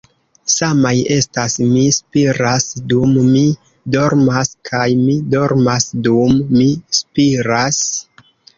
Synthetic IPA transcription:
samaje̞stasmispiɾasdumːi | do̞ɾmaskʰajmido̞ɾmasdumːispiɾas

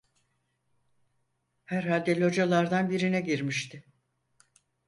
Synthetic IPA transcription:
hæɾɦalʲd̪ɛlʲo̞d͡ʒalˠaɾd̪anbiɾinɛɟiɾmiʃt̪ʰɪ

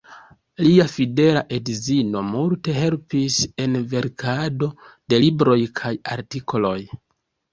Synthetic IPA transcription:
liafide̞laʔe̞dzino̞multe̞ɦe̞lpise̞nve̞ɾkʰado̞d̥e̞libɾo̞jkʰaja̰ɾtikʰo̞lo̞j

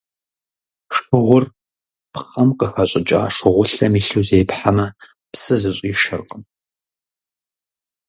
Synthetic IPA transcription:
ʂɨʁʷʊr | pχɐmqəxɐɕʼɪt͡ʃʼa̰ːʂɨʁʷʊɬɐmiːɬuːzejpħamɐ | psɨzɨɕʼiːʃɪ̰rqʼəm

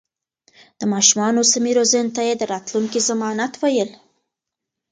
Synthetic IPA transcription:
d̪̥əmɑʃumɑnosamiɾozənt̪ajed̪əɾɑt̪luŋkizamɑnat̪wajəl

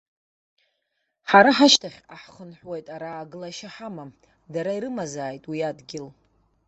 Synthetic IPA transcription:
ħaɾaħaʃtʰaχʲaħχənħʷwejtʼaɾaːɡɨlaʃaħama | daɾaiɾɨmazaːjtʼwiadɡʲɪl

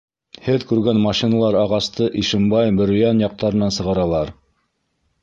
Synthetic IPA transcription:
hɘðkʉɾɡænmɑʃinɑlˠɑɾɑʁɑst̪ɤʔiʃɘ̆mbɑjbɵ̆ɾɵ̆jænjɑq̚t̪ɑɾɤ̆nɑnsɤ̆ʁɑɾɑlˠɑɾ

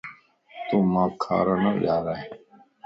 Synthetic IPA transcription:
t̪oːmãːkʰa̰ːɾaːnəːɗaːɾaːɦe

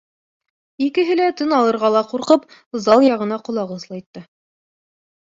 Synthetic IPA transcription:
ikɘ̆ɦɘlæt̪ɘnɑlˠɤ̆ɾʁɑlˠɑquɾqɤpzɑlˠjɑʁɤ̆nɑqŏlˠɑʁɤslˠɑjt̪ːɤ

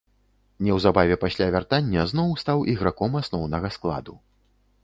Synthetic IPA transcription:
nʲɛwzabavʲɛpasʲlʲavʲart̪anʲːɛznɔwst̪awʔiɣɾakɔmasnɔwnɐɣɐsklˠa̰d̪u

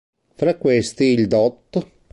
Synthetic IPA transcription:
fɾakːwest̪iːld̪ɔt̪ː

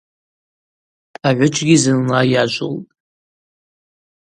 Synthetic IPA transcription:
aʕʷʊt͡ʃʰʼɡʲizɨnlajaʒʷʼo̰ltʼ

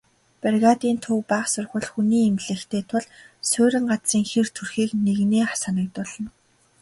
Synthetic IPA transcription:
perɣat̪iːnt̪ʰɵwpæːχsʊrχə̆ɮxuniːemɮĕːxt̪ʰeːt̪ʰʊɮsʊːɾʲɪ̆ŋɢat͡siːŋxert̪ʰurxiːkneɣneːχasanə̆k̚t̪ʊɮɞ̆n

